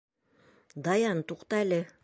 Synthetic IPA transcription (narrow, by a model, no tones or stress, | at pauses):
d̪ɑjɑnt̪uqt̪ɑælɘ